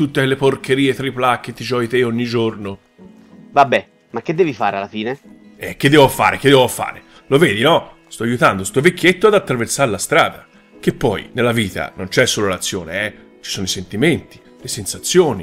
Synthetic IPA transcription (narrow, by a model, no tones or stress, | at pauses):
t̪ut̪ːeelːeporkeɾiːet̪ɾaiplakːet̪ːid͡ʒɔːjit̪eoɲːid͡ʒorno | vabːɛ | makːed̪ːɛːvifaːɾealːafiːne | ɛk̟ːed̪ːɛːvofa̰ːɾʔek̟ed̪ːɛvoafa̰ːɾe | lovɛːd̪inɔ | st̪ɔajut̪and̪ost̪ovek̟ːjet̪ːoad̪at̪ːɾaversaɾlast̪ɾa̰ːd̪a | k̟epːɔj̰nelːaviːt̪a̰nont͡ʃɛsːoːlolat̪sːjoːneɛ | t͡ʃi̥soːnoisent̪iment̪i̥ | lesensat̪sːjoːni